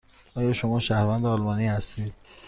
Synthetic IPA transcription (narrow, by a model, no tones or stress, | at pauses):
ɒːjɒːʃomɒːʃæhɾvænd̪eɒːlmɒːniːhæst̪id̪̥